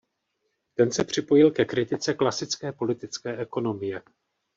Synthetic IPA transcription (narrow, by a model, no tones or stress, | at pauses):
t̪ɛnsɛpr̝̥ɪpo̞jɪlkɛkɾɪt̪ɪt͡sɛklasɪt͡skɛːpo̞lɪt̪ɪt͡skɛːʔɛko̞no̞mɪjɛ